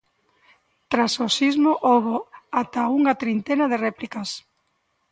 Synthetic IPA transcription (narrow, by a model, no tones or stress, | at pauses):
t̪ɾasosizmʊʔoβoat̪auŋat̪ɾint̪enɐð̞ɪrɛplikɐs